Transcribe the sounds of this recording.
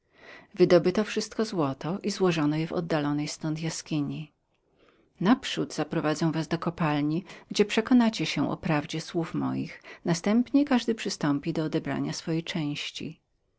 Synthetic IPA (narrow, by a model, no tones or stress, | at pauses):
vɘd̪ɔbɘt̪ɔfʂɘst̪̚kɔzwɔt̪ɔʔizwɔʐɔnɔjɛvɔ̰d̪ːalɔnɛjst̪ɔnt̪jaskʲiɲi | napʂud̪z̥apɾɔvad̪zɛ̃w̃vazd̪ɔkɔpalɲiɡd͡ʑɛpʂɛkɔnat͡ɕɛɕɛʔɔ̰pɾavd͡ʑɛswufmɔ̰jḭxnast̪ɛmpɲɛkaʐd̪ɘpʂɘst̪ɔmpʲid̪ɔːd̪ɛbɾa̰ɲasfɔjejt͡ʂɛ̃w̃ɕt͡ɕḭ